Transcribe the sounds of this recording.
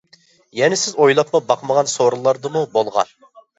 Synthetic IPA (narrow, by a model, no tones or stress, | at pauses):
jɛnɪsɪzojlˠɑpmɑbɑqmɑʁɑnsoɾɨlˠːɑɾd̪ɨmubolˠʁɑ̰n